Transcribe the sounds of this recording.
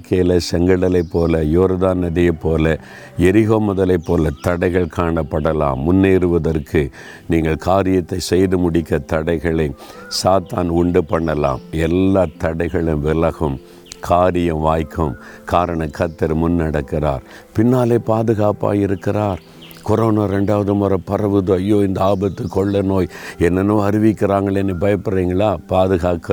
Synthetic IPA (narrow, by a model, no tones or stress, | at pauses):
kelɐsɛŋɡɐɽɐlɐɪpːoːlɐjoːɾɐðaːnɐðɪjɐpːoːlɐ | ɛɾɪɣoːmʊðɐlɐɪpːoːlɐt̪ɐɽɐɪɣɐɭkʰaːɳɐpːɐɽɐla̰ːmːʊnːeːɾɯʋɐðɐrkʰɯ | niːŋɡɐɭkʰaːɾɪjɐt̪ːɐɪsɛjðɯmʊɽɪkːɐt̪ɐɽɐɪɣɐɭɐ | saːt̪aːnʊɳɖɯpɐɳːɐla̰ːmɛlːaːt̪ɐɽɐɪɣɐɭɪmʋɪlɐɣɯm | kʰaːɾɪjɐʋaːjkʰːɯm | kaːɾɐɳɐkɐt̪ːɐɾmʊnːɐɽɐkːɪɾa̰ːɾ | pɪnːaːleːpaːðɯɣaːpa̰ːjɪɾɯkːɪraːɾ | kɔɾoːnaːɾɛɳɖaːʋɐðɯmɐɾɐpɐɾɐʋɯðoɐjːoːɪnd̪ɐaːbɐt̪ːɯkɔɭːɐnoːjɛnːɐnɯ̃ːɐɾɪʋɪkːɪɾaːŋɡɐɭɛnːɛbɐjɐpːɐɾiːŋɡɐɭaːpaːðɯɣaːkɐ